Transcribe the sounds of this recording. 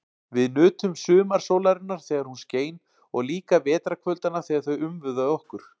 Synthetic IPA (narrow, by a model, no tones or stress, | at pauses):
vɪðnʏːt̪ʏmsʏːmaɾ̥soːwlaɾɪnːaɾ̥θɛːɣaɾhunsceːjn | ɔɣliːkavɛːt̪ɾakʰvœlt̪anḁθɛːɣaɾθœɥʏmvʏðaɔhkʏɾ̥